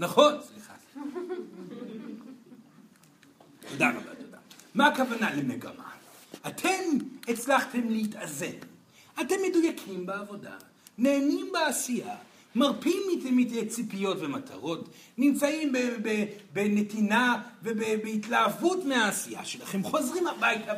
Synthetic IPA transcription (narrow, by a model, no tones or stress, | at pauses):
naχo̞nsliχa | tod̪ano̰la̰toda̰maakavanalemeɡa̰ma̰atʰe̞met͡slaχte̞mlehitazen | ate̞mːe̞dujakʰimbeavo̞da̰ | ne̞ːnimbeasija̰ | maʁpimːitemitet͡sipijo̞tvematʰa̰ʁo̞t | nimt͡saimbebebenetinavebebeitlaːvutmeaːsija̰ʃelaχe̞mχo̞zʁimhabajta